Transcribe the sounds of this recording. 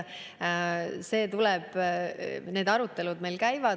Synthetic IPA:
se̞ːt̪ulɛb̥ | ne̞ːd̪ɑɾut̪ːˑe̞lud̪me̞jlkæjvɑ

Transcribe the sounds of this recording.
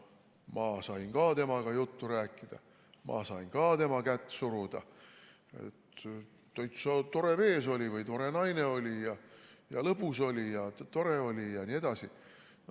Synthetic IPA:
mɑsɑjŋkɑːt̪e̞mɑɡ̥ɑjut̪ːuɾæːkːˑid̪̥ɑ̰ | mʔɑ̰sɑjŋkɑːt̪e̞mɑkæt̪ːˑsuɾud̪̥ɑ̰ | e̞̰t̪ː | ojt̪sɑt̪o̞ɾe̞ve̞ːso̞lʲivɯjt̪o̞ɾe̞nɑjne̞o̞lʲijɑjɑ̰lɤbuso̞lʲijɑt̪o̞ɾeo̞lʲijɑnie̞d̪̥ɑsi

